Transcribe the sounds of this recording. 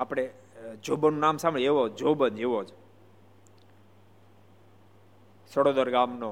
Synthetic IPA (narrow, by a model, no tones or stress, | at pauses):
apɽ̃e | d͡ʒobənːũnamsãmɭieʋod͡ʒobənd͡ʒeʋod͡ʒ | səɽod̪ɔɾɡamno